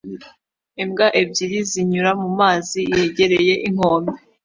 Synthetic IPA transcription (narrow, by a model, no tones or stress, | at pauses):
emɡaʔebɟiɾiziɲuɾamumaːzije̞ɟe̞ɾe̞je̞ʔiŋ̥hoːmbe